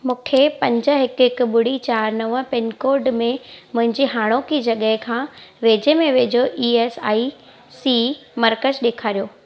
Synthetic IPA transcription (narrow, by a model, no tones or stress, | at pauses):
mũːkʰepɐ̃ɲd͡ʑə̆ɦɪkɦɪk̆ɓʊɽ̤it͡ɕaːɾnɐʋə̆pɪnkoːɾɖmẽmʊ̃ɦɪ̃ɲd͡ʑiɦaːɽ̃okid͡ʑɐɠəɦɪkʰãːʋeːd͡ʑemẽʋeːd͡ʑoʔiːeːsaːi | siːmɐɾkəd͡ʑɗeːkʰaːɾijoː